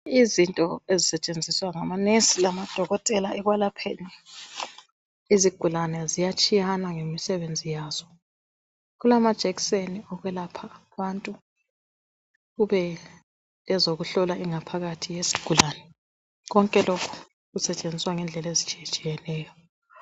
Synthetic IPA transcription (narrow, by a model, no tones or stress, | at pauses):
izintʼɔezisɛt͡ʃʼend͡zʱiswaŋamanesilamad̥ʱɔɣɔtʼɛlaɛɣwalapʰeni | iziɡ̥ʱulanɛzijat͡ʃʼijanaŋemisɛβend͡zʱijaːz̥ɔ | ɣulamad̥ʒ̥ʱɛkseniɔɣwɛlapʰaβantʼu | ɣuβɛː | zoɣuɬɔlaʔiŋapʰaɣatʰijesi̥ɡ̥ʱulaːnɛ | ɣɔŋkʼɛlokʰu̥ | ɣusɛt͡ʃʼend͡zʱiswaŋɛnd͡ɮʱɛlezit͡ʃʼijɛt͡ʃʼijɛnɛːjɔ